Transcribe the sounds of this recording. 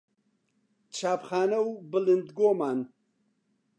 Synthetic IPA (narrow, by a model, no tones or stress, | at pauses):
t͡ʃʰaːpχaːnɐwbɨlɨnd̪ɡoːmaːn